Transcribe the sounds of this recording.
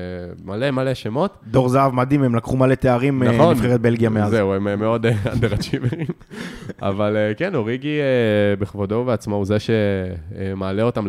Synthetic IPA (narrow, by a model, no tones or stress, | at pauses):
malemale̞ʃemo̞t̪d̪o̞ʁzaavmad̪ime̞mlakχumale̞t̪eaʁimnaχoinfχeʁet̪̚be̞lɡijameazeuememeo̞d̪ead̪eʁat͡ʃiveima̰valekenoʁiɡiebeχvodoveat͡smauzeʃe | maːleo̞t̪am